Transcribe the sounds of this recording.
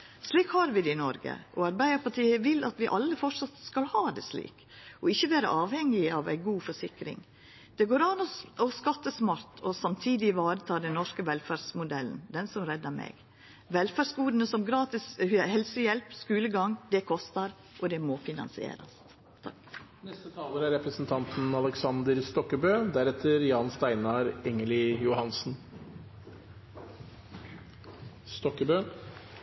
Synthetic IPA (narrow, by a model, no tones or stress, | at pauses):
sliːkhɑɾʋɪd̪ɛɪnɔɾɡə̰ʔɔɑɾbæɪd̪əpɑʈiːəʋɪlɑt̪ʋɪʔɑlːəfɔʈʂɑt̪skɑlhɑːd̪ɛ̰slḭːk | ʔɔɪçːəʋæːɾə̰ʔɑːʋhɛŋːɪɑʋæ̰ɪɡuːfɔʂɪkɾɪ̰ŋ | d̪̥ɛɡoːɾɑnɔɔskɑt̪ːəsmɑɾt̪ʰɔsɑmt̪ʰiːd̪ɪʋɑːɾət̪ʰɑːd̪ɛnnɔʂkəʋɛlfæːɖsmʊd̪ɛlən̩d̪ɛnsɔmɾɛd̪əmɛ̰ɡ | ʋɛlfæɖsɡuːd̪ənəsɔmɡɾɑːt̪ɪshɛlsəjɛlpskʉːləɡɑŋd̪ɛkʰɔst̪əɾ | ʔɔd̪ɛmofɪnɑ̰nsɪḛːɾɑ̰s | t̪ʰɑknɛst̪ət̪ʰɑːləɾæɾɛpɾəsn̩t̪ʰɑnt̪n̩ɑləksɑnd̪əɾst̪ɔkːəbøːd̪æɾɛt̪ʰːəɾjɑːnst̪æɪnɑɾɛŋəlɪjʊhɑnsn̩ | st̪ɔkːəbøː